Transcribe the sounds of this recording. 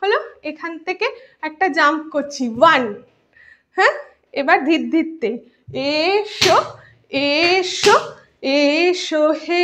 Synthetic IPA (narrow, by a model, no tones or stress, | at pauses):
ɦoloekʰant̪ʰekeɛk̚ʈad͡ʑamkot͡ɕʰiʋan | hɛ̃ | ebaɾd̪ʱiɾd̪ʱit̪ːe | eʃo | eʃo | eʃohe